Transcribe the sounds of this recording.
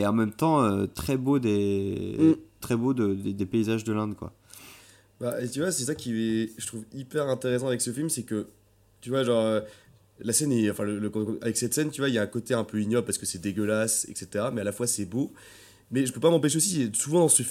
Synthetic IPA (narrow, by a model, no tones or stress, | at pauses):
eɑ̃mɛmt̪ɑ̃øt̪χɛbod̪e | t̪χɛbod̪əd̪ed̪epeizaʒd̪əlɛ̃d̪kwa̰ | bat̪yvwasɛsakʲiɛʒət̪χuvipɛʁɛ̃t̪eʁesɑ̃avɛksəfilmsɛkə | t̪yvwaʒɑ̃ʁø | lasɛnɛɑ̃fɛ̃lələkɔ̃avɛksɛt̪sɛnt̪yvwailjaɛ̃kot̪eɛ̃pøinjɔbpaʁsə̥kəsɛd̪eɡʲəlasɛ̰kset̪eʁamɛalafwasɛbo | mɛʒəpøpamɑ̃peʃ̬eosiɛsuvɑ̃d̪ɑ̃sə